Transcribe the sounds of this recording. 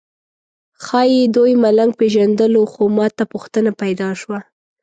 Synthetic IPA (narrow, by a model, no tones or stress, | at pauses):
xɑjed̪ojmalaŋɡ̚peʒand̪əloxomɑt̪apuxt̪ənapajd̪ɑʃwa